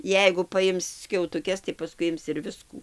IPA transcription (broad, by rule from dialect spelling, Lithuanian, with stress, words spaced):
ˈjɛɪɡʊ pɐˈjɪms sʲkʲɛʊtʊˈkʲɛs tɐɪ pɐˈskʊɪ ˈɪms ɪr ˈʋʲɪskuː